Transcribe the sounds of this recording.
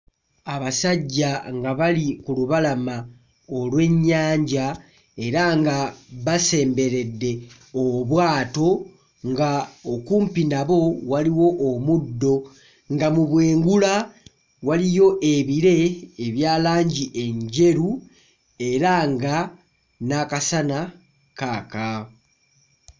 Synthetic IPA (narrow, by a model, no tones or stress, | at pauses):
aβasaɟːaŋɡaβalikuluβalama | olwe̞ɲːaːɲɟa | e̞ɾaŋɡaβase̞ːmbe̞ɾe̞dːe̞ | oβwaːto̞ | ŋɡaokuːmpinaβo̞waliwo̞ʔːmudːo̞ | ŋɡamuβwe̞ːŋɡula | walijo̞ʔe̞βiɾe̞ːβjaːlaːɲɟiʔe̞ɲɟe̞ɾu | e̞ɾaŋɡa | nakasana | kaːka